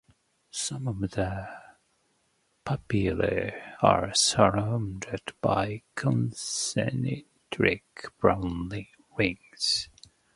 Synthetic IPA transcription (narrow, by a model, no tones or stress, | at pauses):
sʌ̃mʌvðə | pʰɑplə̰ɑ̰ɹsəɹãndədb̥aɪkʰɔ̃nsɛ̰ni | tʰɹɪkb̥ɹãʊ̃nlɪ̃ | wɪ̃ŋz̥